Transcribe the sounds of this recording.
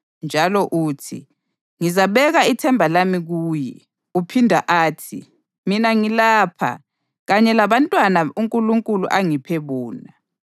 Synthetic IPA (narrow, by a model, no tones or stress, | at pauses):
nd͡ʒʱalɔʔuːtʰḭ | ŋizaɓɛɣaitʰɛmbʱalamiɣuːjɛ | upʰindʱaʔaːtʰḭ | minaŋilaːpʰa̰ | ɣaɲɛlaβantʼwanauŋkʼuluŋkʼulṵʔaŋipʰeβuːna